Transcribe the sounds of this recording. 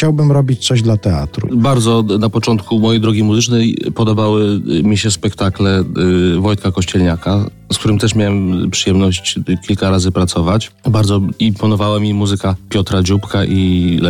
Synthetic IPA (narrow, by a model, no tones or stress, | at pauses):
t͡ɕawbɘmɾɔbʲit͡ɕt̪sɔʑd̪lat̪ɛa̰t̪ɾṵbaɾd̪zɔnapɔt͡ʂɔnt̪kumɔjɛjd̪ɾɔɡʲimuzɘt͡ʂnɛjpɔd̪ɔbawɘmʲiɕɛspɛkt̪aklɛvɔjt̪̚kakɔɕt͡ɕɛlɲaka | sk̚t̪uɾɘmt̪ɛʂmʲjawɛmpʂɘjɛmnɔɕt͡ɕkʲilkaɾazɘpɾat̪sɔvat͡ɕbaɾd̪zɔimpɔnɔvawamʲimuzɘkapʲjɔt̪ɾad͡ʑupkaʔil